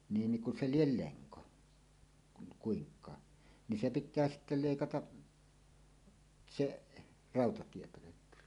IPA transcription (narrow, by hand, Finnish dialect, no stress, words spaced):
niːn niŋ ku se liel leŋko kun kuiŋkˑɑː ni se pitˑæː sitːe leˑikɑtɑʔ seʔ rɑˑotɑtiepøløkːy